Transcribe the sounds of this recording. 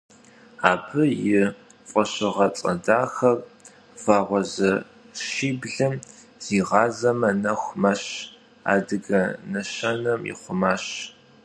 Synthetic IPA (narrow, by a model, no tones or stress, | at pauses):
aːbʰɨjɪ | fʷʼɔɕɪʁɐt͡sʼɐ̰daːxɐr | faːʁʷɔzɐ | ʃiːbɮɨm | z̥iːʁɑːzɐmɐnɐxʷmɐɕ | a̰ːdɨɡɐnɐɕɐnɐmjɪ̰χʷʊmaːɕ